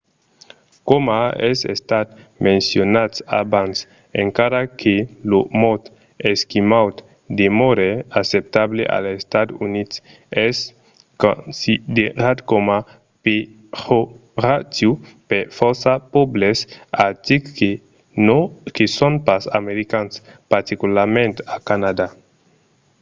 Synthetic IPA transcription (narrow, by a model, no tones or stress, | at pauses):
komaɛzḛst̪at̪ | mensjonat̪abans | eŋkaɾakʰelomɔt̪ | eskimawt̪ | d̪emoɾeasep̚t̪aβlḛʔa̰lest̪ad̪unit̪ | ɛs | konsid̪eɾat̪koma | pe | hoɾat̪jupeɾfɔɾsapɔblesat̪ike | kesonpasa̰meɾikanspaɾt̪ikulaɾmẽnt̪akanad̪a